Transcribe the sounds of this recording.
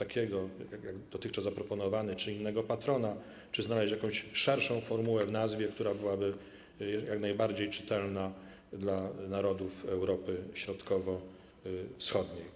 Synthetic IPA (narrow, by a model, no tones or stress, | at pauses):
t̪akʲɛɡɔjaɡjaɡd̪̥ɔt̪ɘxt͡ʂazːapɾɔpɔnɔvanɘt͡ʂɘinːɛɡɔpat̪ɾɔna | t͡ʂɘznalɛɕjakɔ̃w̃ɕʂɛɾʂɔ̃w̃fɔɾmuwɛvnazvʲjɛk̚t̪uɾabɘwabɘ | jaknajbaɾd͡ʑejt͡ʂɘ̥t̪ɛlna | d̪lanaɾɔd̪ufɛwɾɔpɘɕɾɔt̪kɔvɔ | fsxɔd̪ɲej